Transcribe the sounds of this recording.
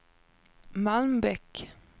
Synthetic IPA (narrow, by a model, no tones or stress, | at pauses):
manbɛk